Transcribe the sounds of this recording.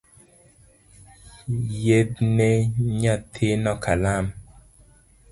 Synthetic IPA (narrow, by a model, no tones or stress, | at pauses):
jednɛɲatʰenɔkʰalam